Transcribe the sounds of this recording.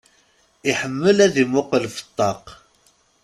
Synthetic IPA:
iħəmːəlæðimʊqəlfə̥t̪ˤːɑq

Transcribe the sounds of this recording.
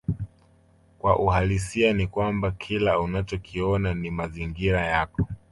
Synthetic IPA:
kwaʔuɦalisianikwambakʰilaunat͡ʃɔkʰiɔnanimaziŋɡiɾajakɔ̥

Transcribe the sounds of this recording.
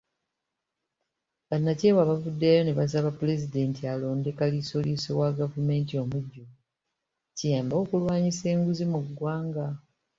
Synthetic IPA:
βanːaceβwaβavudːejoneβas̬aβapule̞zide̞ːntialo̞ːnde̞kalisolisowaɡavume̞ːntio̞muɟːuu | cijaːmbo̞ːkulwaːɲise̞ːŋɡuzimuɡwaːŋɡa

